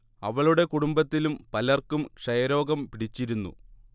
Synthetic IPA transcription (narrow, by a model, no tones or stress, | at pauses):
ɐʋɐɭuɽe̞kuɽumbɐt̪ːilumpɐlɐrkumkʂɐjɐɾo̞ːɡɐmpiɽit͡ɕːiɾunːṵ